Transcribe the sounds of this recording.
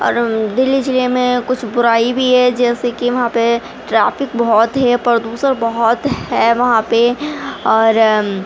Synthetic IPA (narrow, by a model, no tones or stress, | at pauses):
ɔ̰ːɾd̪ɪlːid͡ʒɪlemẽkʊt͡ʃʰbʊɾaːibʱiɦɛd͡ʒɛːsekiʋɐɦãpe | ʈɾaːfɪk̚bɔɦt̪ɦɛpɐɾd̪uːsəɾbɐɦɔt̪ɦɛʋɐɦãpeɔːɾ